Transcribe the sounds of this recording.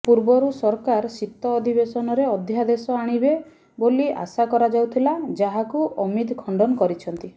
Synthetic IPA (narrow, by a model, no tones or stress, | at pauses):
puɾbɔɾusɔɾkaɾsit̪ːɔːd̪ʱibesɔnɔɾeɔd̪ʱjad̪esɔaɽ̃ibe | bolia̰sakɔɾad͡ʒawt̪ʰilad͡ʒaɦakuʔɔmit̪kʰɔɳɖɔnɔkɔɾit͡ʃʰɔnt̪i